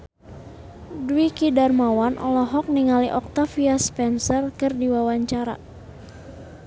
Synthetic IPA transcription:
duikidarmawanʔɔ̰lɔɦɔk̚niŋaliʔɔk̚t̪afiaspɛnsərkɨrdiwawaɲt͡ʃaɾa̰

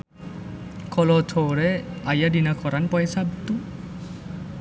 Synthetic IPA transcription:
kʰɔlɔt̪ʰoɾeajadinakʰɔɾanpɔɛsab̚t̪u

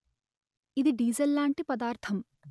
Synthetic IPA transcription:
id̪iɖiːzɐlːaːɳʈipɐd̪aːɾt̪ʰɐm

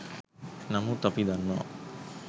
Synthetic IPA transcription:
namut̪ɔpid̪anːa̰

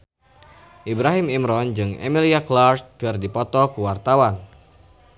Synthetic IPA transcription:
ʔibɾaɦimimɾɔnd͡ʒɨŋɛ̰miliaklart̪̚kɨrdipɔt̪ɔkuwart̪awan

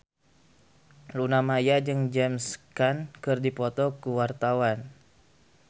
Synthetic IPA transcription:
lunamajad͡ʒɨŋd͡ʒɛmskankɨrdipɔt̪ɔkuwart̪awan

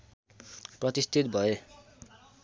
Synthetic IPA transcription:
prʌt̪ist̪ʰit̪̚bʱʌe

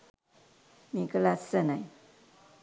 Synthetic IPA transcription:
mikəlasənaj

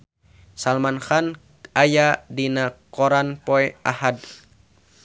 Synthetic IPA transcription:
salmanxan | ajadinakɔɾanpɔɛa̰had

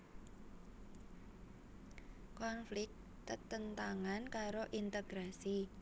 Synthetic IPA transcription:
kɔnflɪk̚ | t̪ət̪ənt̪aŋankaɾoʔint̪eɡ̥ɾasi

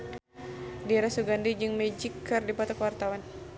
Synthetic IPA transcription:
diɛɾasuɡandid͡ʒɨŋmɛd͡ʒikʰːɨrdipat̪ɔkwart̪awan

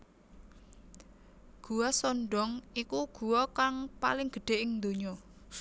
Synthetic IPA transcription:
ɡ̥ṳwasɔnɖɔŋikuɡ̥uwɔkaŋpa̰lɪŋɡ̥ə̤ɖ̥e̤ʔɪŋnd̪oɲɔ

